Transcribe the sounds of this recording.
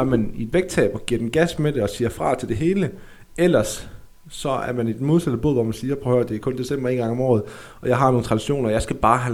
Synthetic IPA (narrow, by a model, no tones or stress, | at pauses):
ɐmænid̥ʋeɡ̥̚t͡sʰɛ̰ːb̥ɒ̽ɡ̥iɐ̰d̥enɡ̥æsmed̥eɒ̽siːɐfʁɑ̰̈ːt͡sʰe̝ld̥e̝ɦe̝ːlə | el̰ɐsː | ɒ̽æɐmæne̝d̥mo̝ð̞ˠsæd̥ð̩bo̝ð̰ˠʋɒmænsiːɐpʰʁɔhøɐd̥e̝æɐkʰɔ̽nd̥e̝sembɐe̝ːnɡ̥ɑ̈ŋɒ̽mɒ̰ːð̞̩ˠ | ɒ̽jɑ̈ɪɦɑ̈noːn̩t͡sʰʁɑd̥iɕo̝̰ːnɐjɑ̈ɪsɡ̥æb̥ɑ̈ːɦæ